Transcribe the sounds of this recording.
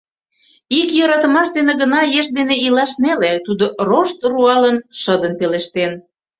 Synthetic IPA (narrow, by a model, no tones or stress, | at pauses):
ikjɤɾɑt̪ə̆mɑʃd̪eneɣənɑjeʃd̪eneilɑʃnelet̪ud̪oroʃt̪ruɑlənʃəd̪ənpeleʃt̪en